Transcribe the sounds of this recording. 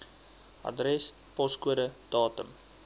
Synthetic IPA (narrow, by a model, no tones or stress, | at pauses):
ɐ̰drɛs | pɔskuəɾəd̥ɑːtəm